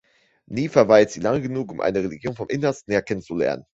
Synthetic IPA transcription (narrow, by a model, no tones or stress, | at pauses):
niːfɛɐvaɪltz̥iːlaŋəɡənuːkʊmʔa̰ɪnəʁeliɡjoːnfɔmʔɪnɐstn̩hːɐkʰɛnənt͡sulɛ̰ɐnə̰n